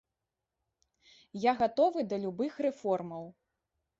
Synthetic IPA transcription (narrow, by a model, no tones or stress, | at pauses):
jaɣat̪ɔvɨd̪ɐlʲubɨxrɛfɔrmɐw